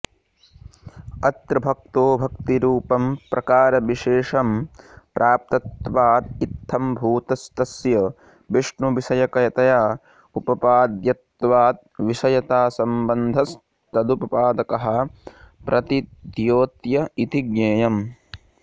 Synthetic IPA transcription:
ɐt̪ɾɐbʱɐk̚t̪oːbʱɐkt̪iɾuːpɐmpɾʔɐkaːɾɐʋiʃeːʂɐmpɾʔaːp̚t̪ɐt̪ʋaːt̪it̪ʰːɐmbʱuːt̪ɐst̪ɐsjɐ | biʂɳuʋisɐjɐkɐjɐt̪ɐjaː | upɐpaːd̪jɐt̪ʋaːt̪̚ʋisɐjɐt̪aːsɐmbɐnd̪ʱɐs | t̪ɐd̪upɐpaːd̪ɐkɐɦɐ̆pɾʔɐt̪id̪joːt̪jɐit̪iɡɲeːjɐm

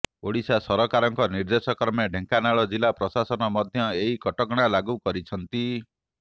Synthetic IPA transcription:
oɽisasɔɾɔkaɾɔŋkɔniɾd̪esɔkɾɔmjɔɖʱeŋkanaɭɔd͡ʒilapɾɔsasɔnɔmɔd̪ʱjɔeɦikɔʈɔɡɽ̃alaɡukɔɾit͡ʃʰɔnt̪i

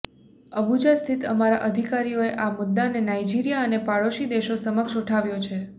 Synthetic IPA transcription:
əbud͡ʒast̪ʰit̪əmaɾa̰ʔəd̪ʱikaɾijoeʔamʊd̪ːanːenaid͡ʒiɾijaənepaɭoʃid̪eʃosəməkʃuʈʰaʋjot͡ʃʰe

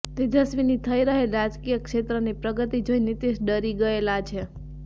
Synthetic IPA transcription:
t̪ed͡ʒəsʋinit̪ʰəiɾəɦelɾad͡ʒkijəkʃet̪ɾənipɾəɡət̪id͡ʒojnit̪iʃɖəɾiɡəelat͡ʃʰe

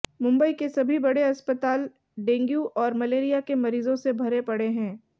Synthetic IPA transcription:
mʊ̃mbəikesɐbʱibɐɽeɐspət̪aːl | ɖẽːŋɡjuʔɔːɾmɐleːɾijakemɐɾiːzõsebʱɐɾepɐɽeɦɛ̃ː

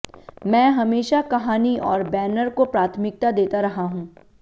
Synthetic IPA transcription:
mɛ̃ːɦɐmeːʃakɐɦaːniɔːɾbɛːnəɾkopɾaːt̪ʰmɪk̚t̪ad̪eːt̪aɾɐɦaɦũː

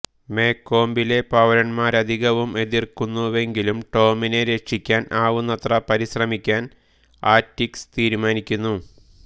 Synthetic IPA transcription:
me̞ːkːo̞ːmbile̞pɐʋɐɾɐnmaːɾɐd̪ʱiɣɐʋume̞ðirkunːuʋe̞ŋɡilumʈo̞ːmine̞ɾeʂikʲːaːnaːʋunːɐt̪rɐpɐɾiɕrɐmikʲːaːn | aːtːikst̪iːɾumaːnikʲːunːu

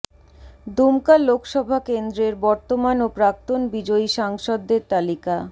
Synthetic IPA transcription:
d̪umkallokʃɔbʱakend̪ɾeɾbɔɾt̪omanopɾak̚t̪onbid͡ʑoiʃaŋʃɔd̪ːeɾt̪alika

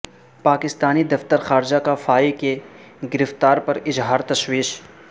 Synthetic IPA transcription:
paːkɪst̪aːnid̪ɐft̪əɾxaːɾd͡ʒakafaːike | ɡɪɾɪft̪aːɾpɐɾɪzɦaːɾt̪ɐʃwiːʃ

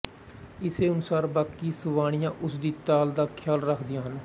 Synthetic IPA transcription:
ɪseːʊnʊsaːɾbaːkːiːsəʋaːɽ̃ɪjãːʔʊsd̪iːt̪aːld̪aːkʰɪjaːlɾəkʰd̪ɪjãːɦən

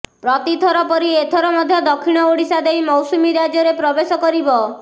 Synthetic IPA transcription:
pɾɔt̪it̪ʰɔɾɔpɔɾiet̪ʰɔɾɔmɔd̪ʱjɔd̪ɔkʰiɽ̃ɔoɽisad̪ejmɔwsumiɾad͡ʒɔɾepɾɔbesɔkɔɾibɔ

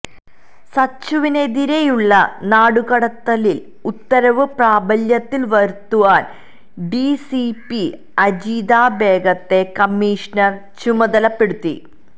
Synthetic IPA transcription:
sɐt͡ɕːuʋine̞ðiɾe̞juɭːɐnaːɽuɣɐɽɐt̪ːɐlil | ut̪ːɐɾɐʋɨpraːbɐljɐt̪ːilʋɐɾt̪ːuʋaːn | ɖisipi | ɐd͡ʑiːd̪aːbe̞ːɡɐt̪ːe̞kɐmːiːʂnɐr | t͡ɕumɐðɐlɐpːe̞ɽut̪ːḭ

